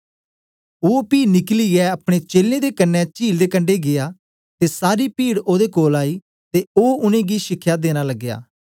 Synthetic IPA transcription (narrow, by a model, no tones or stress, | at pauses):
oːpiːnɪkliɛəɐpɽ̃et͡ʃeːlẽːd̪eːkənːɛt͡ʃiːld̪eːkəɳɖeɡɪjaː | t̪eːsaːɾiːpiːɽoːd̪eːkoːlaːiː | t̪eoːʊnẽːɡiːʃɪkʰːjaːd̪eːñaːləɡːɪja̰ː